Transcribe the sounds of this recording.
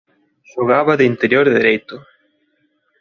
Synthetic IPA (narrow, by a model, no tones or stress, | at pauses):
ʃoɣ̞aβaðeint̪eɾjoɾðeɾejt̪ʊ